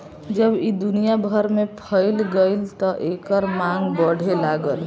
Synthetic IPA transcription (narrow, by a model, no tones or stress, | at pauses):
d͡ʒəbid̪unijabʱəɾmepʰəɪlɡəɪlt̪ɔʔekəɾmaŋɡbəɽ̤ʱelaɡəl